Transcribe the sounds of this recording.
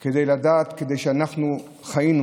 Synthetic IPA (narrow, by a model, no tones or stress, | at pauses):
ked̪ejlad̪aːt̪ked̪ejʃeanaχnu | χajin